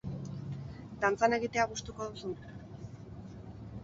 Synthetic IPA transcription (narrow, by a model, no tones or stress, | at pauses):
d̪ant͡sane̞ɣit̪e̞apust̪uko̞ðusun